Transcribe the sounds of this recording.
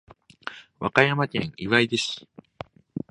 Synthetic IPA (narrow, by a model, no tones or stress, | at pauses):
wa̰kajamak̪ḛ̃ŋiβaid̪eɕi̥